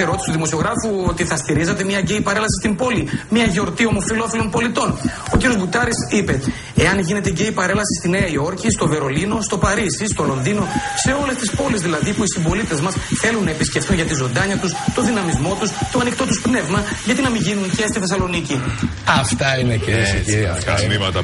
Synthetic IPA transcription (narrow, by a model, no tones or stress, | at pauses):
eɾo̞t̪ist̪uðimo̞sio̞ɣɾɐfuo̞t̪iθɐst̪iɾizɐt̪e̞miɐɟe̞jpɐɾelɐsi̥st̪imbo̞limɐʝeo̞ɾt̪io̞mo̞filo̞filo̞npo̞lit̪o̞n | o̞ciɾijo̞zbut̪ɐɾisipe̞ | eɐnʝine̞t̪eɟe̞jpɐɾe̞lɐsist̪ineɐio̞ɾcist̪o̞ve̞ɾo̞lino̞st̪o̞pɐɾisist̪o̞lo̞nðino̞se̞o̞le̞st̪ispo̞lizðilɐðipuisimbo̞lit̪e̞zmɐsθe̞lunːɐepisce̞ft̪unʝɐt̪izo̞nd̪ɐɲɐt̪ust̪o̞ðinɐmizmo̞t̪ust̪oɐnikt̪o̞t̪uspne̞vmɐʝɐt̪inɐmiʝinuncest̪iθesɐlo̞nici | ɐft̪ɐinecesɐ̰imɐt̪ɐ